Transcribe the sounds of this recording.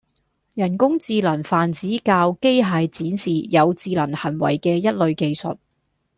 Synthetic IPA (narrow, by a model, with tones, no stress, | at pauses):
jɐ˨˩nkʊ˥ŋt͡siː˧lɐ˨˩nfaː˨nt͡siː˨˥kaː˧wke˥jɦaː˨˧jt͡siː˨˥nsiː˨jɐ˨˧wt͡siː˧lɐ˨˩nhɐ˨˩nwɐ̰˨˩jkɛː˧jɐ˥t̚lɵ˨˧ɥke˧jsɵ̰˨t̚